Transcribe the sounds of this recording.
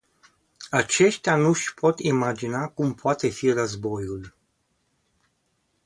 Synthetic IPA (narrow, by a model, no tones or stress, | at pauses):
at͡ʃe̞ʃt̪eanuʃʲpʰo̞t̪imad͡ʒinakumpoat̪e̞firəzbo̞jul